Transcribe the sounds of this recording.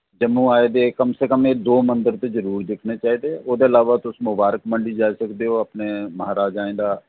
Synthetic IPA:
d͡ʒəmːuaːed̪ekəmsekəmed̪oːmə̃nd̪əɾt̪ezəɾuːɾd̪ɪkʰnet͡ʃaːɦid̪eːoːd̪eɐlaːʋat̪ʊsmʊbaːɾəkmə̃ɳɖid͡ʒaːisəkd̪eɦoːɐpnemɐɦaːɾaːd͡ʒaːẽd̪aː

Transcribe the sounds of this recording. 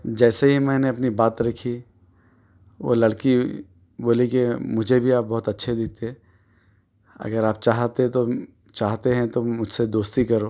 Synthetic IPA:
d͡ʒɛːseɦimɛ̃ːneɐpnibaːt̪ɾɐkʰi | ʋo̰lɐɽki | boːlikimʊd͡ʒʱebʱiaːp̚bɔːʊt̪ɐtːʃʰed̪ɪk̚t̪eɛ̃ | ɐ̰ɡəɾaːp̚t͡ʃaːɦt̪et̪o | t͡ʃaːɦt̪eɦɛ̃t̪omʊd͡ʒʱsed̪oːst̪ikɐɾoː

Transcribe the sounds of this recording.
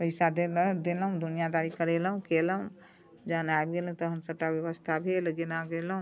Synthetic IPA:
pəɪsad̪eld̪eləɦũd̪ʱunijad̪aɾikəɾelɦũkeləɦũ | d͡ʒənaebɡelũt̪ɔɦəmsəb̚ʈabjəʋəst̪ʰabʱeləɡenaɡelɦũ

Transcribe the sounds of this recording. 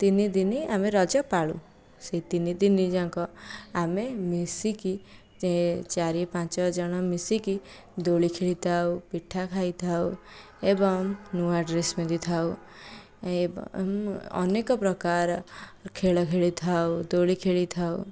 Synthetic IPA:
t̪inid̪iniameɾɔd͡ʒɔpaɭṵ̃ | set̪inid̪inid͡ʒaŋkɔamemisiki | t͡ʃaɾipãt͡ʃɔd͡ʒɔɽ̃ɔmisiki | d̪oɭikʰeɭit̪ʰawpiʈʰːakʰajt̪ʰaw | ebɔŋnuaɖɾesmed̪it̪ʰaw | e | ɔ̰nekɔpɾɔkaɾkʰeɭɔkʰeɭit̪ʰawd̪oɭikʰeɭit̪ʰaw

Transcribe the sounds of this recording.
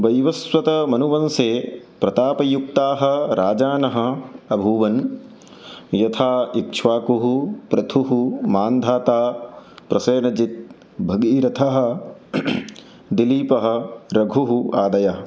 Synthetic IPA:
ʋɐjʋɐsʋɐt̪ɐmɐnuʋɐnseː | pɾɐt̪aːpɐjuk̚t̪aːɦɐ̆ɾaːd͡ʒaːnɐɦɐ̆ɐbʱuːʋɐn | jɐt̪ʰaːikt͡ʃʰʋaːkuɦupɾɐt̪ʰuɦumaːnd̪ʱaːt̪aːpɾɐseːnɐd͡ʒit̪̚ | bʱɐɡiːɾɐt̪ʰɐɦɐ̆ | d̪iliːpɐɦɐ̆ɾɐɡʱuɦuaːd̪ɐjɐɦɐ

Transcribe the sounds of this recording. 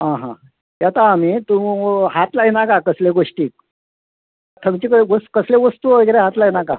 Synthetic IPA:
ɦãɦã̰ | jat̪aːmit̪ũɦat̪laɦinakakəsleɡoʂʈiːk̚ | t̪ʰəmt͡ɕiːkəɡoskəsleʋəst̪uoeɡɾeɦat̪lainaka

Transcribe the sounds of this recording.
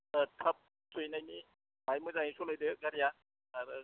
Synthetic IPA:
kʰap̚ | sujnajni | majmɯzaŋisolajdɯɡaɾijaː | ɾɯ

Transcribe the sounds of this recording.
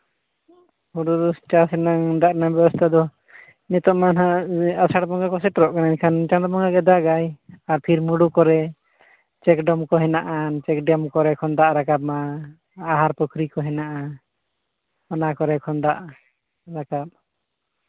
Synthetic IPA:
huɖuɾust͡ʃasɛnaŋɖ̪aʔnabɛbɔst̪ʰad̪ɔ | nɛt̪ɔʔmanɦaasaɽbɔŋɡakɔsɛʈɔɾɔʔkanaɲkʰant͡ʃãd̪ɔbɔŋɡaɡɛd̪aɡajaɾpʰiɾmuɽukɔɾɛ | t͡ʃɛkɖɔmkɔɦɛnaʔant͡ʃɛkɖɔmkɔɾɛkʰɔnd̪aʔɾakab̚maː | ɦaɾpɔkʰɾikɔɦɛnaʔa | ɔnakɔɾɛkʰɔnd̪aʔ | ɾakap̚

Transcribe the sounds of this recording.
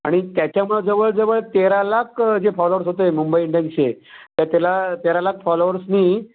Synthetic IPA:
a̰ɽ̃it̪jat͡ɕjamuɭed͡zəʋəɭd͡zəʋəɭt̪eɾalakd͡ʑefɔloʋəɾsɦot̪emumbəjiɳɖenset̪jat̪alat̪eɾalakfɔloʋəɾsniː

